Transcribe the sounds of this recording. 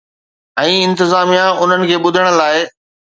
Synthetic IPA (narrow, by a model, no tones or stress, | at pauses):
ɛ̃ːɪ̃nt̪ɪzaːmijãʊn̤ənɪ̆kʰeːɓʊd̪ʱəɽ̃ə̆laːɪ